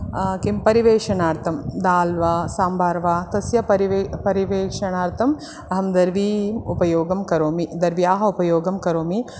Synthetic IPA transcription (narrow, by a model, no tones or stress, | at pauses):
kimpɐɾiʋeːʂɐɳaːɾt̪ʰɐmd̪aːlʋaːsaːmbʱaːɾʋaːt̪ɐsjɐɐɾiʋpɐɾiʋeːʂɐɳaːɾt̪ʰɐm | ɐɦɐmd̪ɐɾʋiːmupɐjoːɡɐmkɐɾoːmid̪ɐɾʋjaːɦɐupɐjoːɡɐmkɐɾoːmi